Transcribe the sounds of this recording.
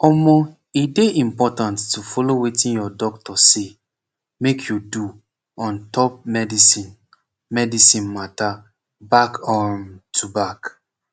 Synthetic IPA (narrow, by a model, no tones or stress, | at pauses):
ɔmɔ | ideʔĩmpɔtãnttufɔlowetĩnjɔdɔktɔse | mekʰjudu | ɔ̃ntʰɔp̚mɛdisĩn | mɛdisĩnmata | bakʰɔ̃ntʰubak